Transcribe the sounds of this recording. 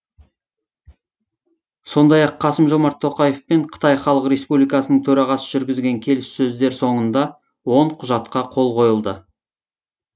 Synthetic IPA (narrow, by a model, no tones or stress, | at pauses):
so̞nd̪ɑjɑqʰːɑsəmʒo̞mɑɾt̪ʰːo̞qɑje̞fpeɴqʰə̥t̪ɑjχɑlˠəqre̞spublijkɑsənəɴt̪ʰɵɾɑʁɑsəʒʏɾɡʲɪzɡʲe̞ŋkʲʰe̞lɪsːɵzd̪e̞ɾso̞ɴənd̪ɑ | wo̞ɴqʰʊʒɑt̪qɑqʰo̞lˠqʰo̞jəlˠd̪ə